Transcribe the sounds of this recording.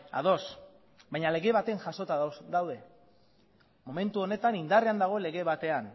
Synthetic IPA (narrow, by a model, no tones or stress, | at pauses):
a̰ð̞o̞s | bajɲale̞ɣe̞βat̪e̞ŋʝaso̞t̪ad̪awðe̞ | mo̞me̞nt̪uo̞ne̞t̪anind̪areand̪aɣ̞o̞le̞ɣe̞βat̪e̞an